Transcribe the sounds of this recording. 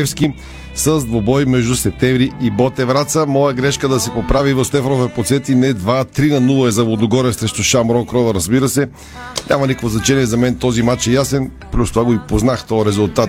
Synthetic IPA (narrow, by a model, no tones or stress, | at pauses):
ɛfski | səzd̪vobɔjmɛʒd̪usɛp̚t̪ɛvɾiibɔt̪ɛvɾat̪səmɔjəɡɾɛʃkəd̪ɐsɛpopɾavivɐfst̪ɛfɾovɛpot̪sɛt̪inɛd̪vat̪ɾinɐnulˠɐɛzɐvlod̪oɡɔɾəsɾɛʃt̪ʊʃamɾɔkɾɔvɐɾɐzbiɾəsɛ | nʲʔamɐnikokvoznɐt͡ʃɛniɛzɐmɛnt̪ɔzimat͡ʃɛjasɛnplʲust̪ovaɡoipoznaxt̪ɔɾɛzʊlˠt̪at̪